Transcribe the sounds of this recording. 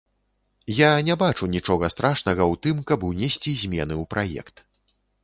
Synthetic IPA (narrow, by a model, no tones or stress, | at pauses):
janʲɛbat͡ʂunʲit͡ʂɔɣɐst̪ɾaʂnɐɣɐwt̪ɨmkɐbunʲɛsʲt͡sʲizʲmʲɛnɨwpɾʔajɛ̰kt̪